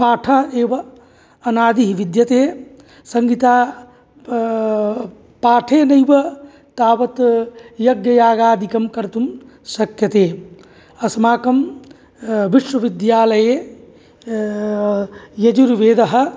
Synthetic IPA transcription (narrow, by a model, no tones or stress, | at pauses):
paːʈʰɐɦeːbɐ | ɐnaːd̪iɦiʋid̪jɐt̪eː | sɐŋɡit̪aː | paːʈʰenɐjbɐ | t̪aːbɐt̪jɐɡjɐjaːɡaːd̪ikɐmkɐɾt̪um | sɐkjɐt̪eː | ɐsmaːkɐm | ʋiʃwɐʋid̪jaːlɐje | jɐd͡ʒuɾʋeːd̪ɐɦ̆